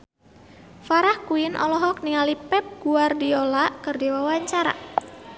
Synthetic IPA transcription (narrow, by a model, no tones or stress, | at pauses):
faɾahkuɪnʔɔ̰lɔɦɔk̚niŋalipɛp̚ɡ̥uardiolaʔkɨrdiwawaɲt͡ʃaɾa̰